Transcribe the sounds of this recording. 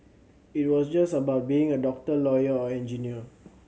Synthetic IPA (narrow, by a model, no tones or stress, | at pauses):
it̚wɔsd͡ʒasəbaʊt̚biĩŋədɔk̚təlɔjəɔɛ̃nd͡ʒiniə